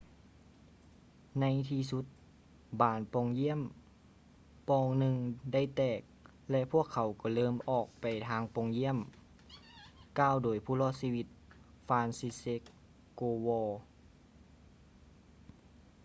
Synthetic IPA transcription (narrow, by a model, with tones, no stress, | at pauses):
na˧˥jt̪ʰiː˧su˧˦t̪̚ | baː˨˩npɔː˧˩ŋji˧˥˨ə˨m | pɔː˧ŋnɯ˧ŋda˥˩jt̪ɛː˧˩k̚ | lɛ˧ʔpʰu˥˩əkʰːa˨˩wkɔː˧˩lɤː˧˩mʔɔː˧˩k̚pa˨˩jt̪ʰaː˧ŋpɔ˧˩ŋji˧˥əm | kaː˧˩˨wdoː˨˩jpʰuː˧˥˩lɔː˧˩t̪̚siː˧wi˧t̪̚ | faː˧nsi˧se˧˥kː | oː˧wɔː˧